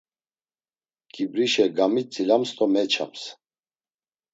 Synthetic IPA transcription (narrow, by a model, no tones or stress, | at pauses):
kʼibɾiʃɛɡamit͡sʼilamst̪ʼɔmɛt͡ʃʰa̰ms